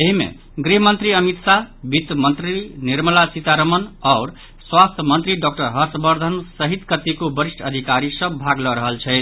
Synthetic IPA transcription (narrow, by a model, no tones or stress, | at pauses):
eɦimḛ | ɡɾiɦmʌnt̪ɾiʌmit̪sabit̪mənt̪ɾiniɾməlasit̪aɾəmənɔʊɾ | swast̪ʰəmʌnt̪ɾiɖɔkʈʌɾɦʌɾsbʌɾd̪ʱənsʌɦit̪kət̪ikobʌɾisʈʰəd̪ʱikaɾisʌ̃bʱaɡlʌɾʌɦʌlt͡ʃʰʌt̪